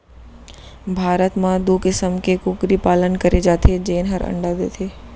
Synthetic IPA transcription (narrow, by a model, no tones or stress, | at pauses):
bʱaːɾət̪mãd̪ukɪsəmkekʊkɾipaːlənkɐɾed͡ʒaːt̪ʰed͡ʒeːnɦɐ̰ɾə̰̃ɳɖad̪ḛːt̪ʰeː